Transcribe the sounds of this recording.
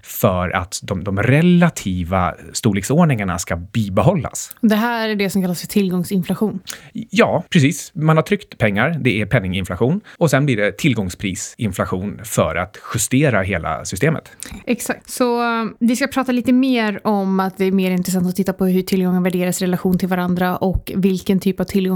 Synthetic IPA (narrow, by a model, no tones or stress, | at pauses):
fœɾa̰t̪d̪ɔmd̪ɔmɾɛlːat̪ʰiːva̰st̪uːɭɪksoːɳɪŋaɳa̰skabiːbɛɦɔlːa̰sɔd̪ɛɦæːɾæɖɛsɔmkʰalːasfœt̪ʰɪlːɡɔŋsɪnflaɧuːnjɑːpʰɾɛs̬iːsmanhaʈ̪ʰɾʏkt̪pʰɛŋːaɾd̪ɛæɾpʰɛnːɪŋɪnflaɧuːnɔsɛnbliːɖɛt̪ʰɪlɡɔŋspʰɾiːsɪnflaɧuːnfœ̰ɾʔa̰t̪ɧɵst̪eːɾaɦeːla̰sʏst̪eːmə̰t̪ɛksak̚t̪sɔvɪskapʰɾɑːt̪aliːt̪əmeːɾʔɔmat̪̚d̪ɛːɾmeːɾɪnɾɛsant̪ɔt̪ʰɪt̪ːapɔɦɵʈʰɪlɡɔŋːənvæɖeːɾasɾɛlaɧuːnt̪ʰɪlvaɾand̪ɾaʔɔkvɪlkənt̪ʰyːpav̥t̪ʰɪlɡɔ